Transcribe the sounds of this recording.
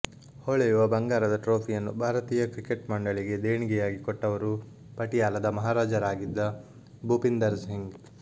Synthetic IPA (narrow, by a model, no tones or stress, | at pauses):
hoɭɛjuʋɐbɐŋɡaːɾɐd̪ɐʈɾoːpʰijɐnːubʱaːɾɐt̪iːjɐkɾikeʈmɐɳɖɐɭiɡe̞d̪eːɳiɡɛjaːɡikɔʈːɐʋɐɾu | pɐʈijaːlɐd̪ɐmɐɦaːɾaːd͡ʒɐɾaːɡid̪ːɐ | buːpind̪ɐɾsɦiŋɡ